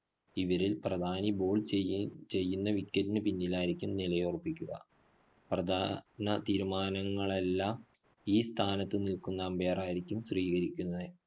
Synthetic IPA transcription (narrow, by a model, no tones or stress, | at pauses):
iʋɐɾilprɐd̪ʱaːniboːɭt͡ɕe̞jːunːɐʋikʲːɐɾinɨpinːilaːjiɾikʲːumnilɐjorupːikʲːuɣɐ̰ | prɐd̪ʱaːnɐt̪iːɾumaːnɐŋːɐɭe̞lːaːm | iːst̪ʰaːnɐt̪ːɨnilkunːɐːmbe̞ːraːjiɾikʲːumsriːɣɐɾikʲːunːɐðɨ